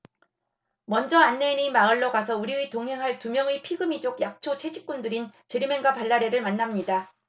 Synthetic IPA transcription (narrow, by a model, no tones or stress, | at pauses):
mʌnd͡ʑʌanːeinimaɯɭːʌɡasʰʌuɾietoŋɦe̞ŋɦaɭtumjʌŋepʰiɡɯmid͡ʑoɡjak̚t͡ɕʰot͡ɕʰe̞d͡ʑik͈undɯɾint͡ɕeɾimeŋɡwapaɭːaɾe̞ɾɯɭmanːamɲida